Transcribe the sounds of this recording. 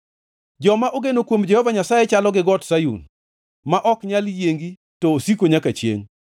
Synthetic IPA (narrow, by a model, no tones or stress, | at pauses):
d͡ʒɔmaʔoɡenokwomd͡ʒɛhɔvaɲasajɛt͡ʃalɔɡɪɡɔtsajṵn | maʔɔkɲaljeŋɡi | tɔːsikoɲakat͡ʃjḛŋ